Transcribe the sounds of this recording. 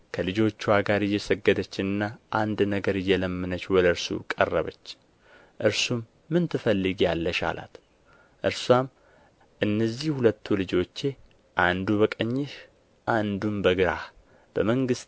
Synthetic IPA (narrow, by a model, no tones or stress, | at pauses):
kʰəlɨd͡ʒo̞t͡ʃːuaɡaɾɨjːɛsəɡːəd̪ət͡ʃːɪnɨnːaʔand̪nəɡəɾɨjːɛləmːɨnət͡ʃːwɔləɾsṵkʼə̰rːə̰βət͡ʃː | ʔɨɾsumː | ɨnt̪ʰɨfəlːɨɡjalːəʃa̰lʔa̰t̪ | ʔɨɾswam | ʔɨnːəzːihhulət̪ʰːulɨd͡ʒo̞t͡ʃːe̞ | ʔand̪uβəkʼəɲːɪʃ | ʔand̪umbəɡɨɾah | b̥əməŋɡɨst̪